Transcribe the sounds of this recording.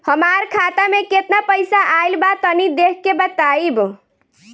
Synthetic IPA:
həmaɾkʰat̪ameket̪napəjsaʔajlbat̪ənid̪ekʰːebət̪aib

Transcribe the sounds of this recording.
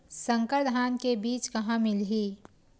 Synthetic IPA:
sə̃ŋkəɾd̪ʱaːnkebiːt͡ʃkɐɦãmɪlɦiː

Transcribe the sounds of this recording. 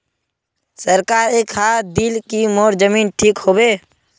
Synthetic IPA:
səɾkaːɾeːkhaɾd̪ɪlkimoːɾd͡ʒəmiːnʈʰiːkɦoːbeː

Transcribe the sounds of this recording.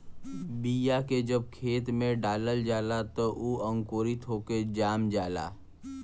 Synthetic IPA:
biːjaked͡ʒəb̚kʰeːt̪mẽɖaːləld͡ʒaːlat̪oʔuə̃ŋkoːɾit̪ɦoːked͡ʒaːmd͡ʒaːla̰ː

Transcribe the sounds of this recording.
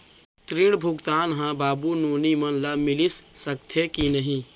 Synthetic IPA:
t̪ɾiɽbʱuɡt̪aːnɦãbaːbunuːnimənlamilisːək̚t̪ʰekinəɦĩ

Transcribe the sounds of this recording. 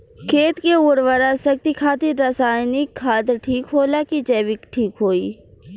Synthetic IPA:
kʰeːt̪keuːɾʋəɾasɐk̚t̪ikʰaːt̪iɾasaːjnikʰːaːt̪ɾʈʰiːkɦoːlaːkid͡ʒɛːʋɪkʈʰiːkɦoːiː

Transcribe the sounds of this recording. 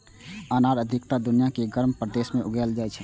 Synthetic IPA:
aːnaːɾəd̪ʱɪkt̪ad̪ʊnijakeɡəɾmpɾəd̪eːsmẽʔʊɡɛld͡ʒaːɛt͡ʃʰɛ

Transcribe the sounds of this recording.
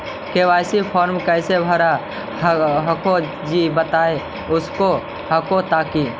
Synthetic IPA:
keːʋaːjsipʰɔːɾmkəɪsebʱəɾa | ɦəko | d͡ʒibət̪aːe | ʊsko | hɐkot̪aːki

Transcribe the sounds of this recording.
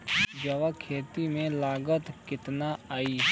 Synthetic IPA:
d͡ʒɐʋakʰeːt̪imẽlaːɡət̪kɪt̪naaːiː

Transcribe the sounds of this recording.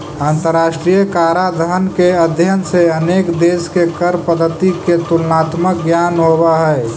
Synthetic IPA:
aːnt̪əɾːaːʃʈɾijəkaːɾad̪ʱəɦənkeəd̪ʱjənseəneːkd̪eːskekəɾpəd̪ʱːət̪iket̪ulnaːt̪mək̚ɡjaːnɦobaɦɛ

